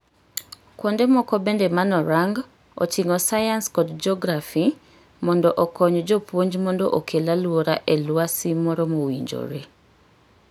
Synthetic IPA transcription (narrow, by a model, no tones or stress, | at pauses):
kwondemɔkɔbendemanɔɾaŋɡ | ɔ̰t͡ʃiŋɔsajanskɔdd͡ʒɔɡɾafi | mɔndɔʔɔkɔɲɔd͡ʒopwoɲd͡ʒmɔndɔʔokelalwoɾaʔelwasimɔɾɔmowiɲd͡ʒo̰ɾe